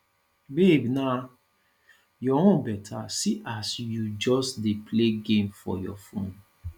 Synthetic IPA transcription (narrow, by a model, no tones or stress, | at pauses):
bebna | jɔwɔ̃bɛtʰasiʔasjud͡ʒɔsdepʰleɡẽmfɔ̰jɔ̰fõn